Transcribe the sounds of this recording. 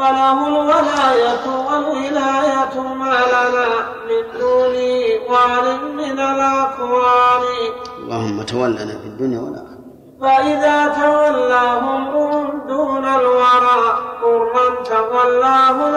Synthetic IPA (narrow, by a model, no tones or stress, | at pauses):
walaɦʊlwalaːjatawalhɪlaːjatmalana | mɪnd̪uːniwaːlɪmɪnalakwaːnila̰hʊmːatawalːanafidunijawa̰la̰ | waʔɪðaːtawalːaɦʊmʊld̪uːnalwaɾakʊɾmant̪awalːaːɦʊ